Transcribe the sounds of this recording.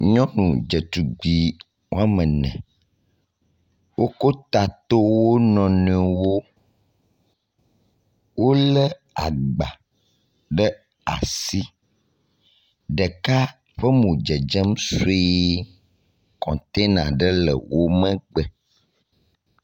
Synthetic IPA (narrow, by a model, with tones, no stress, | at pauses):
ɲɔ̃˦nũ˨d͡ʒə˨t̪u˨ɡ͡bi˨ | wo˦a˦mə̃˨nɛ̰̃˨ | wʔo˦ko˦t̪a˨t̪o˦wwo˦nɔ̃˨nɛ̃˨wo˦ | wo˦lə˦ | a˨ɡ͡ba̰˨ | ɖə˦ | a̰˨si˦ | ɖə˨ka˦ | ɸə˦mũ˨d͡ʒə˨d͡ʒə˦m˦so˦e˦ | kɔ̰̃˨t̪e˦nã̰˨ɖə˦lə̰˨wo˦mə̃˦ɡ͡bɛ˨